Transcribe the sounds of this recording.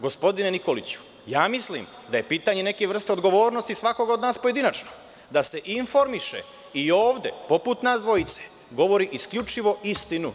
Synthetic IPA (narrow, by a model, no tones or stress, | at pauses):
ɡo̞spo̞d̪ine̞niko̞lit͡ɕu̥ | jaːmislḭːm | d̪aje̞piːt̪aɲe̞ne̞keʋr̩st̪eo̞d̪ɡo̞ʋo̞ːɾno̞st̪isʋako̞ɡaod̪naːspoje̞d̪inat͡ʃno | d̪ase̞ʔiɱfo̞ɾmiʃḛ | ioːʋd̪e̞̰po̞put̪naːzd̪ʋo̞it̪se̥ | ɡo̞ʋo̞ɾiʔiskʎut͡ʃiʋo̞ist̪inu